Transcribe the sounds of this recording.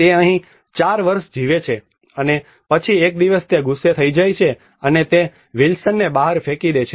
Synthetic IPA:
t̪eəɦĩ | t͡ʃaɾʋəɾʃd͡ʒiʋet͡ʃʰe | əne | pət͡ʃʰiek̚d̪iʋəst̪eɡʱusːet̪ʰəid͡ʒajt͡ʃʰe | ənet̪e | ʋilsənːebaɦəɾfekid̪et͡ʃʰe

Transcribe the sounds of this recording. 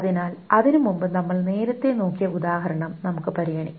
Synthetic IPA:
ðinaːlɐðinumumbɨnɐmːɐɭne̞ːɾɐt̪ːe̞noːkːijɐud̪aːɦɐɾɐɳɐmnɐmukːɨpɐɾijɐɳḭ

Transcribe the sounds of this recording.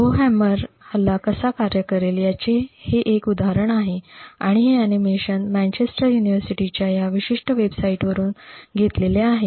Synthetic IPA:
ɡoɦæməɾ | həlːakəsakaɾjəkəɾeljat͡seheʔekud̪aɦaɾəɳ̃aɦeaɽ̃iɦeænimeɕənmæ̃nt͡ɕesʈəɾjuniʋəɾsiʈit͡ɕjajaʋiɕiʂʈəʋebsaiʈʋəɾuːnɡʱet̪leleaɦe

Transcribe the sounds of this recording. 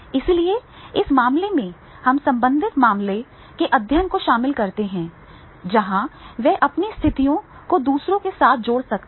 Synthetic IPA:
ɪslie | ɪsmaːmlemẽ | hɐmsɐ̃mbə̃nd̪ʱɪt̪maːmle | keʔɐd̪ʱjənkoʃaːmɪlkɐɾt̪eɦɛ̃ː | d͡ʒɐɦãʋɛʔɐpnist̪ʰɪt̪ijõ | kod̪uːsɾõkesaːt̪̚ʰd͡ʒoːɽsɐk̪̚

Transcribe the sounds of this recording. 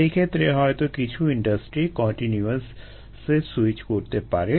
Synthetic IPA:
ekʰeːt̪ɾeɦɔet̪okɪt͡ʃʰuɪ̃ɳɖəsʈɾikɔ̃ːɳʈinjuəsː | esɪt͡ʃkoːɾt̪epa̰ːɾe

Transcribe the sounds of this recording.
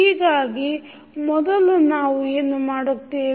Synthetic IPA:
iːɡaːɡi | mɔd̪ɐlːunaːʋueːnumaːɽukt̪ːiː

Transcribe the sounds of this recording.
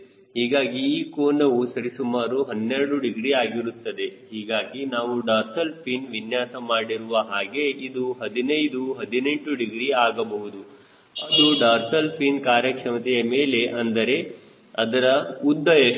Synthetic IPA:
hiːɡaːɡiiːkoːnɐʋusɐɾisumaːɾuɦɐnːɛɾɐɽuɖiɡɾiaːɡiɾut̪ːɐd̪e̞ɦiːɡaːɡinaːʋuɖaːɾsɐlpʰiːnʋinjaːsɐmaːɽiɾuʋɐɦaːɡe̞id̪uɦɐd̪inɐjd̪uɦɐd̪ine̞ɳʈuɖiɡɾiaːɡɐbɐɦud̪u | ɐd̪uɖaːɾsɐlpʰiːnkaːɾjɐkʂɐmɐt̪ɛjɐmeːle̞ʔɐnd̪ɐɾe̞ | ɐd̪ɐɾɐud̪ːɐe

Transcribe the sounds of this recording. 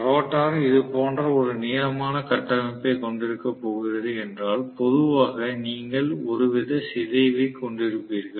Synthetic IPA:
ɾoːʈːaːɾɐɪðɯpoːndrɐɔɾɯnɪjɐɐmaːnɐkɐʈːɐmɐpːekɔɳɖɪɾɯkːɐpːoːɣɪrɐðɯɛndraːlpɔðɯʋaːɣɐniːŋɡɐɭɔɾɯʋɪðɐsɪðɐɪʋɐɪkɔɳɖɪɾɯpːiːɾɣɐɭ

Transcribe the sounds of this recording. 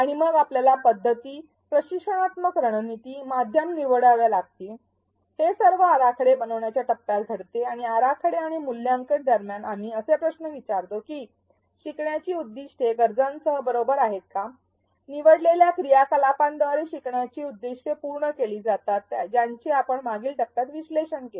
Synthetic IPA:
aɽ̃iməɡapljalapəd̪ʱːət̪iː | pɾəɕikʂəɽ̃at̪məkɾəɽ̃ənit̪iːmad̪ʱjəmniʋəɽaʋjalaɡ̚t̪i | hesəɾʋəaɾakʰəɽebənəʋɳjat͡ɕjaʈəpːjalt̪əɽt̪eaɽ̃iaɾakʰəɽeaɽ̃imuljãŋkəʈd̪əɾmjanamiːəsepɾəsnəʋit͡ɕaɾt̪okiː | ɕikɳjat͡ɕiːud̪ːiɕʈʰeɡəɾd͡zansəɦəbəɾobəɾaɦet̪̚ka | niʋəɽleljakɾijakəlapãnd̪ʋaɾeɕikɳjat͡ɕiːud̪ːiʂʈʰepuɾɳəkeliːd͡zat̪at̪ːd͡ʑjaɲt͡ɕiːapəɳmaɡiːlʈək̚t̪at̪ʋisleɕənke

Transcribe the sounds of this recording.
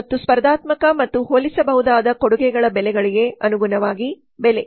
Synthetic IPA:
t̪ːuspɐɾd̪aːt̪mɐkɐmɐt̪ːuɦoːlisɐbɐɦud̪aːd̪ɐkoɽuɡɛɡɐɭɐbɛlɛɡɐɭiɡe̞ɐnuɡunɐʋaːɡi | bɛle

